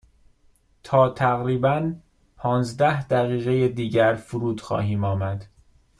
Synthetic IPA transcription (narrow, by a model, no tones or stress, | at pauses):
t̪ʰɒːt̪ʰæɣɾiːbæn | pʰɒːnzd̪æhd̪æɣiːɣe̞jed̪iːɟæɾfuɾuːd̪̥xɒ̰ːɦiːmɒːmæd̪̥